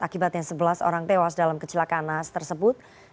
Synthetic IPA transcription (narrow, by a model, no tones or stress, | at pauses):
akibat̪̚ɲaŋsəbəlaso̰ɾaŋt̪ewasdalamkət͡ʃilakanast̪ərsəbʊt̪̚